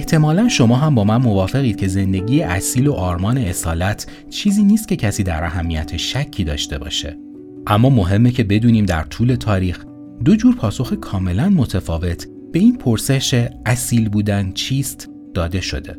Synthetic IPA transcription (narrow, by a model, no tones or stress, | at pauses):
eht̪ʰe̞mɒːlænʃo̞mɒːɦæmbɒːmænmo̞vɒːfe̞ɣiːd̪̚cʰe̞ze̞nd̪e̞ɟiːjeʔæsiːlo̞ʔɒːɾmɒːne̞esɒːlæt̪ʰ | t͡ʃʰiːziːniːst̪̚cʰe̞cʰæsiːd̪æ̰ɾʔæɦæmːijæt̪ʰeʃæcʰːiːd̪ɒ̰ːʃt̪e̞bɒ̰ːʃe̞̰ | ʔæmːɒːmo̞ɦe̞mːecʰe̞be̞d̪uːniːmd̪æ̰ɾt̪ʰuːle̞t̪ʰɒːɾiːx | d̪o̞d͡ʒuːɾpʰɒːso̞xekʰɒːme̞lænmo̞t̪ʰefɒːve̞t̪ʰ | b̥e̞iːnpʰoɾseʃeæsiːlbuːd̪ænt͡ʃʰiːst̪ | d̪̥ɒːd̪e̞ʃo̞̰d̪e̞̰